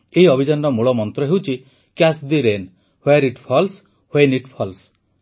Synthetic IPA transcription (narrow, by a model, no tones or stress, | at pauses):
eɦiɔbʱid͡ʒanːɔmuɭɔmɔnt̪ɾɔɦewt͡ʃʰi | kjasd̪iɾen | hoeɾiʈpʰɔls | hoeniʈpʰɔls